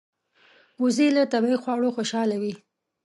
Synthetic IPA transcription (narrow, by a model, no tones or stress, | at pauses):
uzilət̪abaixwɑɽoxoʃɑlawi